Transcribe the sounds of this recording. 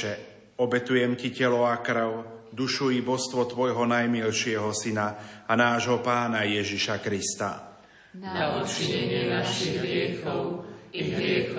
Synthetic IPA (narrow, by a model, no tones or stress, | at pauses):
ɛ | ɔbɛt̪ujɛmcicɛlɔakɾʊd̪uʃujibɔst̪ʋɔt̪ʋɔjɦɔnajmilʃɪɛɦɔsinaanaːʒɦɔpaːnajɛʒiʃakɾist̪a̰ | iɛɲɛnaʃiɦɾɪɛx | ɾɛ